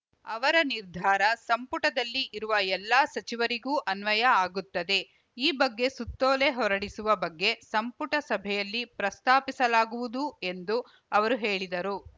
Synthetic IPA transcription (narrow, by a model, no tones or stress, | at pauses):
ɐʋɐɾɐniɾd̪ʱaːɾɐsɐmpuʈɐd̪ɐlːiʔːɾuʋɐɛlːaːsɐt͡ʃiʋɐɾiɡuːʔɐnʋɐjɐaːɡut̪ːɐd̪e̞ | iːbɐɡːe̞sut̪ːoːle̞ɦɔɾɐɽisuʋɐbɐɡːe̞sɐmpuʈɐsɐbʱɛjɐlːipɾɐst̪aːpisɐlaːɡuʋud̪ue̞nd̪u | ɐʋɐɾuɦe̞ːɭid̪ɐɾu